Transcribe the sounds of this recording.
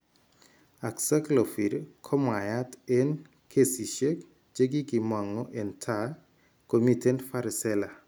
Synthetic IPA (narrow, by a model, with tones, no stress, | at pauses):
a˨ksa˦klo˨fi˨ɾkʰɔ˦ma˨ja˦te˦n | kʰe˦si˨ʃe˦k | d͡ʒe˦ɡi˦ɡɪ˨mwa˨ŋɔ˦ʔe˨ntʰa | ko˨mi˦˨te˦ntfa˦ɾɪ˨sɛ˦la˨